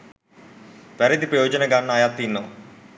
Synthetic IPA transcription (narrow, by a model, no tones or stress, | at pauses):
pɐɾɐd̪ipɾɐjɔːd͡ʒɐnɐɡaːnːaːjaːt̪ːinːɐ